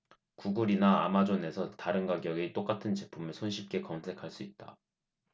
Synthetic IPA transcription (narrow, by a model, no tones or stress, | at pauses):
kuɡuɾinaa̰mad͡ʑone̞sʰʌtaɾɯnɡaɡjʌɡet͈ok͈atʰɯnt͡ɕe̞pʰumɯɭsʰonɕʰip̚k͈e̞kʌnsʰe̞kʰaɭs͈uit̚t͈a̰